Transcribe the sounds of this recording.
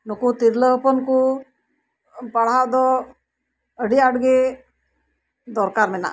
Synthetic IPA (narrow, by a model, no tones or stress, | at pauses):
nukut̪iɾləpɔnku | paɽ̤ad̪ɔ | əɖiaɖɡe | d̪ɔɾkaɾmɛna̰